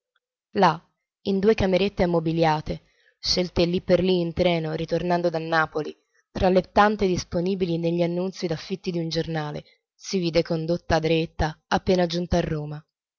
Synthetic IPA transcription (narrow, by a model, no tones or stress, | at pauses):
la | ind̪uːekameɾet̪ːeamːobiljaːt̪e | ʃːelt̪elːipːerliːnt̪ɾɛːnoɾit̪ornand̪od̪anːaːpoli | t̪ɾalːet̪ːant̪ed̪isponiːbilineʎːianːunt̪sid̪afːit̪ːid̪iund͡ʒornaːlḛ | siviːd̪ekond̪ot̪ːaːd̪ɾet̪ːaapːeːnad͡ʒunt̪aːrːoːma